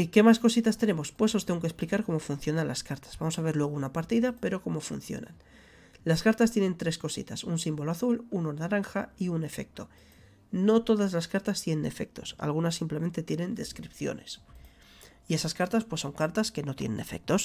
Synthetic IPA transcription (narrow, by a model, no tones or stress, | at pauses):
ke̞masko̞sit̪ast̪e̞ne̞mo̞spwe̞sost̪e̞ŋɡokesplikaɾko̞mo̞fun̟θjo̞nanlaskaɾt̪ḁz̥βamo̞saβ̞e̞ɾlwe̞ɣ̞ounapaɾt̪iðape̞ɾo̞ko̞mo̞fun̟θjo̞̰na̰n | laskaɾt̪ast̪je̞ne̞nt̪ɾe̞sko̞sḭt̪asunsimbo̞loaθuluno̞naɾaŋxaiune̞fe̞̰k̚t̪o̞ | no̞t̪o̞ðazlaskaɾt̪ast̪je̞ne̞ne̞fe̞̰k̚t̪o̞sa̰lɣunasːimpleme̞nt̪et̪je̞nẽ̞nd̪e̞skɾipθjo̞̰ne̞s | ie̞saskaɾt̪aspwesːo̞ŋkaɾt̪aske̞no̞t̪je̞ne̞̰ne̞fe̞̰k̚t̪o̞s